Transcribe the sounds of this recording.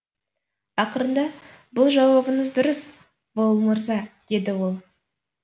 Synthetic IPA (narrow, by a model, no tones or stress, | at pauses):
ɑqəɾənd̪ɑ | bʊlˠʒɑwɑbəɴəzd̪ʊɾəs | bo̞lˠmʊɾzɑd̪̥e̞d̪ɪwo̞lˠ